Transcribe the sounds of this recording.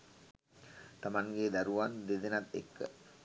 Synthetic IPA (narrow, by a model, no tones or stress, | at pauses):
t̪amaŋɡed̪æɾuʋand̪ed̪enat̪ḛkːə